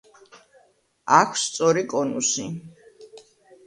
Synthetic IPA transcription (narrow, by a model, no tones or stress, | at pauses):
akʰst̪sʼɔɾikʼɔnṵsi